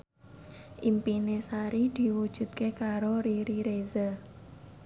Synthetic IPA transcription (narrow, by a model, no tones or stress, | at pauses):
ʔimpinesaɾid̪̥i̤wud̥ʒ̥ṳt̪̚kekaɾoɾiɾiɾeza